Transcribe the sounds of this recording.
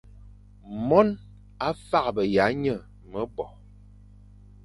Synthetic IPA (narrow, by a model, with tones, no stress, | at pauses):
mɔ˦n | a˦fa˦kbə˨ja˨˦ɲə˦˨ | mə˦bɔ˨